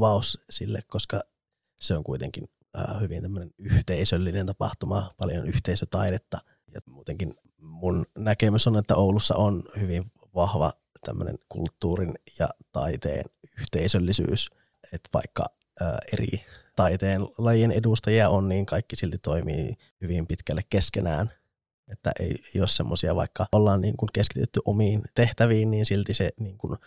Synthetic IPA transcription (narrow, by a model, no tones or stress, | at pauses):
ʋɑˑussilːekkoskɑ | seoŋkuit̪ḛŋkin | əhyʋint̪æmːønenyht̪eisølːinent̪ɑpɑ̰ht̪umɑpɑljonyht̪eˑisøt̪ɑidet̪ːɑ | jɑ̰muːt̪eŋkin | munnækemøsonet̪ːæoulusːɑ̰ʔonhyʋiʋ | ʋɑhʋɑ̰ | t̪æ̰mːø̰nḛnkṵlt̪ːuːrinjɑ̰t̪ɑ̰it̪ḛːnyht̪eisølːisy̰ːs | et̪ʋɑ̰ikːɑ̰ | ø̰ːʔerḭt̪ɑit̪eːnlɑjienedust̪ɑjiɑonniːŋkɑikːisilt̪it̪oimḭː | hyʋimpit̪kælːekkeskenæ̰ːn | et̪ːæ̰ʔḛieijoːssemːosiɑʋɑ̰ikːɑolːɑːnnḭːŋkuŋkeskit̪yt̪ːyʔomiːnt̪eht̪æʋiːnniːnsilt̪iseniːŋkun